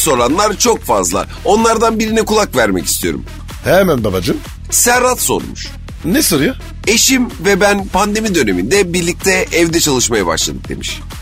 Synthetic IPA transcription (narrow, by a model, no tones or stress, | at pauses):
so̞ɾanlˠaɾt͡ʃʰo̞kfazlˠa̰ | o̞nlˠaɾd̪anbiɾinɛkʰulˠakvæɾmɛci̥st̪ʰijo̞ɾṵm | hɛmænbabad͡ʒɯm | sæɾat̪so̞̰ɾmṵʃ | nesoɾuja | e̞ʃimvɛbænpʰand̪e̞mid̪ø̞ne̞mind̪ɛbiɾlʲic̚t̪ʰɛɛvd̪ɛt͡ʃʰalˠɯʃmajaba̰ʃlˠa̰d̪ɯk̚d̪e̞̰miʃ